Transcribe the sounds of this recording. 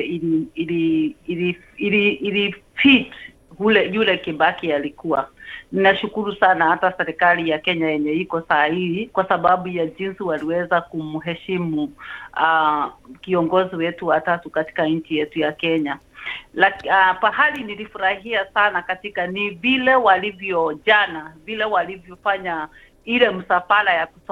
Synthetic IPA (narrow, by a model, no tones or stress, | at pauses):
iiilili | iliːlifit | hulɛjulɛkiɓakialikuwa̰ninaʃukuɾusanahatasɛɾɛkalijakɛɲajɛɲɛikɔsaːiikwasaɓaɓujaʄinsiwaliwɛzakum̩ɦɛʃimuakiɔŋɡɔziwɛtuwatatukati̥kaɲ̩t͡ʃijɛtujakɛɲa | lapaɦalinilifuɾahiasanakatikanivilɛwalivjɔʄanavilɛwalivjɔfaɲa | ilɛm̩safalajaku̥s